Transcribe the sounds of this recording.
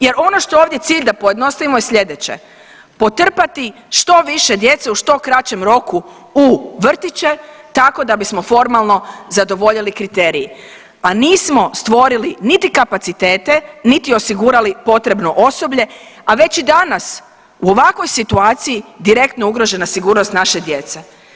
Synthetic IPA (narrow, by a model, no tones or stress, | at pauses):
je̞ɾo̞no̞ʃt̪ooʋd̪je̞t̪siːʎʲd̪apoje̞d̪no̞st̪aʋimojesʎe̞d̪et͡ɕe̞̰ | po̞t̪r̩pat̪i | ʃt̪o̞ʋiʃe̞d̪je̞t̪seuʃt̪o̞kɾat͡ɕe̞mɾo̞ku | uʋr̩t̪it͡ɕe̞t̪ako̞d̪abismo̞fo̞ɾmalˠno̞zad̪o̞ʋo̞ʎilikɾit̪e̞ːɾiji | aniːsmo̞st̪ʋo̞ɾilinit̪ikapat̪sit̪eːt̪e̞nit̪iosiɡuːɾalipo̞t̪ɾe̞bno̞ʔo̞so̞bʎe̞aʋe̞t͡ɕid̪anas | uo̞ʋakʋo̞jsit̪uaːt̪sijid̪iɾe̞kt̪no̞uɡɾo̞ʒe̞nasiɡuːɾnost̪naʃe̞d̪je̞t̪se